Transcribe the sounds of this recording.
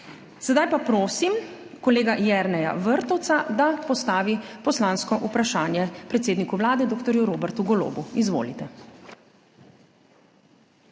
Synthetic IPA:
sɛd̪ajpapɾoːsim | kɔleːɡajɛɾnɛja̰ʋəɾt̪ɔwt̪sad̪apɔst̪aːʋipɔslaːnskɔʔupɾaʃaːnjɛpɾɛt̪seːd̪nikuʋlaːd̪ɛd̪oːkt̪ɔɾjuɾoːbɛɾt̪uɡɔlo̰ːbuizʋo̰ːlit̪ɛ

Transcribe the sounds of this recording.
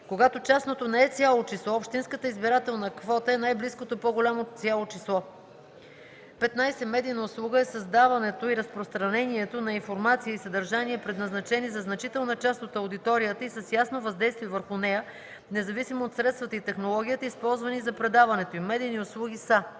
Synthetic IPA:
koɡat̪ot͡ʃasnot̪onɛɛt̪sʲjalˠot͡ʃislˠɔopʃt̪inskət̪əizbiɾat̪ɛlˠnəkvɔt̪əɛnajbliskot̪opoɡolʲamot̪sʲjalˠot͡ʃislˠɔ | pɛt̪najsɛmɛd̪ijnəʊslˠuɡəɛsɐzd̪avɐnɛt̪oiɾɐspɾost̪ɾɐnɛniɛt̪onɐinfoɾmat̪sijəisɐd̪əɾʒaniɛpɾɛd̪nɐznɐt͡ʃɛnizɐznɐt͡ʃit̪ɛlˠnət͡ʃast̪ot̪ɐwd̪it̪ɔɾijət̪əisəsjasnovɐzd̪ɛjst̪viɛvəɾxʊnɛjə | nɛzɐvisimoːt̪sɾɛt̪st̪vət̪əit̪ɛxnolˠɔɡ̟ʲijət̪əispɔlˠzvɐnizɐpɾɛd̪avɐnɛt̪oimɛd̪iːniʊslˠuɡ̟ʲisə

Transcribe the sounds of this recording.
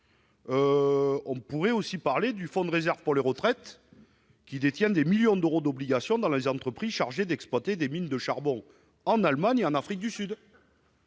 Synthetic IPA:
øɔ̃puʁɛosipaʁled̪yfɔ̃d̪əʁezɛʁvpuʁleʁət̪χɛt̪ | kʲid̪et̪jɛ̃d̪emiljɔ̃d̪øʁod̪ɔbliɡasjɔ̃d̪ɑ̃lezɑ̃t̪χəpχizʃaʁʒed̪ɛksplwat̪ed̪emind̪əʃaʁbɔ̃ | ɑ̃nalmaɲeɑ̃nafχik̚d̪ysyd̪

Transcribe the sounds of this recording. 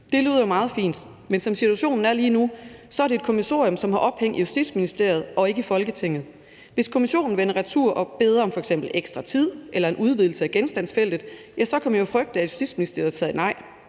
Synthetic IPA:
d̥e̝ly̰ːð̰ˠɐjomɑ̈ːð̞̩ˠfḭːnd̥ | mensɒ̽msit͡sʰuæɕo̝̰ːnn̩æɐliːnusɒ̽æɐɾe̝ːd̥̚kʰo̝miso̝̰ɐjɔ̽msɒ̽mhɑ̈ʔɒ̽b̥heŋ̰dijusd̥ḭ̥sminisd̥e̝ɐ̰jð̞̩ˠʔɒ̽e̝ɡ̥əifɒ̽lɡ̥ət͡sʰe̝ŋ̰ð̞̩ˠ | ʋe̝skʰo̝miɕo̝̰ːn̩ʋenɐʁæt͡sʰuɐ̰ʔɒ̽b̥e̝ð̞ˠɐɒ̽mfɒ̽eɡsem̰b̥l̩eɡ̥sd̥ʁɑ̈t͡sʰið̞̰ˠʔelɐe̝nʔuð̞ˠʋiðˠl̩səæɡ̥ensd̥ænsfel̰d̥ð̩ˠ | jæsɒ̽kʰɒ̽m̰jjofʁœɡ̥̚d̥æ̥jusd̥ḭ̥ːsminisd̥e̝ɐ̰ð̩ˠsɛð̰ɐinɑ̈ɪ̰

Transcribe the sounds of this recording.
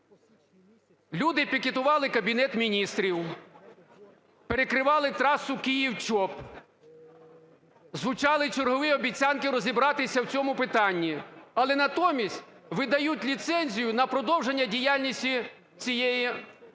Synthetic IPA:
lʲud̪ɪpʲiket̪ʊʋɑlˠɪkɐbʲinɛt̪mʲinʲist̪ɾʲiw | peɾekɾɪʋɑlˠɪt̪ɾɑsʊkʲijiwt͡ʃɔp | zʋʊt͡ʃɑlˠɪt͡ʃerɦɔʋɪɔbʲit͡sʲankɪɾɔzʲibɾɑt̪ɪsʲɐwt͡sʲɔmʊpɪt̪ɑnʲːiɐlˠɛnɐt̪ɔmʲisʲtʲʋɪd̪ɐjutʲlʲit̪sɛnʲzʲijʊnɐpɾɔd̪ɔwʒenʲːɐdʲijalʲnʲisʲtʲi | t͡sʲijɛji

